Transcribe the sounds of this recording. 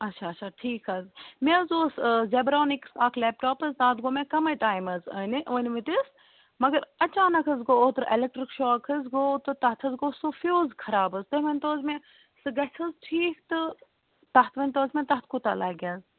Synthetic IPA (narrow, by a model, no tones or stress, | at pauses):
ɐtʃʰaːtt͡ʃʰaːʈʰiːkʰɐzmẽzoːszeːbɾoːnɪksaːkʰleːp̚ʈoːpɐzd̪aːt̪ɡoːmẽkɐmɐjʈaːjmɐzɐnʔoːnʋit̪is | mɐɡɐɾɐt͡ʃaːnɐkʰɐzɡoːoːt̪ɾelek̚ʈɾikʃɔːkʰɐzɡoːt̪ɨt̪ɐɦt̪ʰɐzɡoːsofoːzkʰɐɾaːbɐzt̪ɐɦʋɐnʲt̪oːzmẽ | sɨɡɐsʰɨzʈʰiːkʰt̪ɨ | t̪ɐɦt̪ʰʋɐnʲt̪oːzmẽt̪ɐɦt̪̚ʰkut̪aːlɐːɡʲaːz